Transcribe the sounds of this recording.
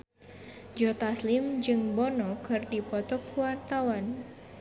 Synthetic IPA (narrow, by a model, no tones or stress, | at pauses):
d͡ʒɔt̪aslɪmd͡ʒɨŋbɔnɔkʰɨrdipɔt̪ɔkuwart̪awan